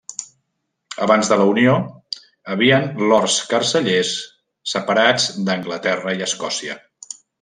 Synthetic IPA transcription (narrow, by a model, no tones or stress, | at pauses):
əβanzðələunio | əβiənlɔrskərsəʎesː | əpəɾad͡zd̪əŋɡlət̪ɛrəiəskɔsiə̰